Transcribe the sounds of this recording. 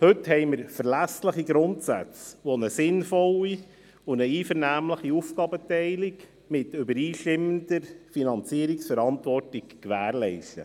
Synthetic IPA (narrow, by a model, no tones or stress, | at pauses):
hɵthɛɪməɾfəɾlæsləχiɡɾʊntsæ̰t͡sʋɔnəsɪnfɔli | ʊnəiːfəɾnæːmləχiufkɑːbətɛɪlɪk | mɪtʏbəɾiːʃtɪmːəndəɾfinɑnt͡siəɾiksfəɾɑntʋɔrtɪkkʋæːɾlɛɪstə